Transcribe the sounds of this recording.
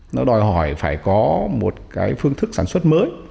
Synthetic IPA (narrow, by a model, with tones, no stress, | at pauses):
nɔ˨˦ɗɔ˨˧jɦɔ˧˩jfaː˧˩jkɔ˨˦mo˨˩t̚kaː˨˦jfɨ˧əŋt̪ʰɨ˦˥k̚saː˧˩nswə˦˥t̚məː˨˦j